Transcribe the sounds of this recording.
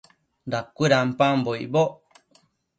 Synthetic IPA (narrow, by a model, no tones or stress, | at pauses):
dakʷiɾampãmboḭboʔ